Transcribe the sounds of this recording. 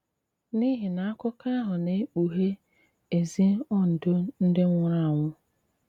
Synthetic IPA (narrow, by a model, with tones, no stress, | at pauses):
ni˦ɦi˨na˨a˦kʊ˦ka˦ɦʊ˨ne˨e˦k͡pu˨ɦe˦ | e˨zi˦ɔ˦n̩˨dʊ˦n̩˦dɪ˦ŋʷ˦ʊ˦ɾa˦a˨ŋʷʊ˦